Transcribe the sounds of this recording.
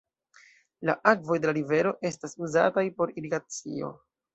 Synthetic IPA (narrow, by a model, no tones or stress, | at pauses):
la̰ʔak̚vo̞jde̞laɾive̞ɾo̞ʔe̞stasuza̰tajpo̞ɾiɾiɡat͡sḭo̞̰